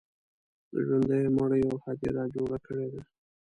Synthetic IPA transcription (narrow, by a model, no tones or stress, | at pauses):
d̪ə̰ʒwand̪ajmaɽəjawhɑd̪ḭɾɑd͡ʒoɽakəɽed̪a